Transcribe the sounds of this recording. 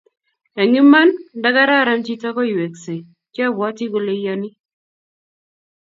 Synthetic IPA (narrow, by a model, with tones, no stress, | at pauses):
a˨ŋɪ˦mːa˦nda˦ɡa˦ɾa˦˨ɾa˦mt͡ʃi˦ta˦kɔ˦i˨we˨kse˨ | t͡ʃja˦bɔ˨˦ti˦ɡo˦le˦ja˦nɪ˦